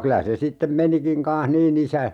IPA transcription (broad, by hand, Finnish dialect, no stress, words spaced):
kylæ se sitːem menikiŋ kɑnh niːn isæ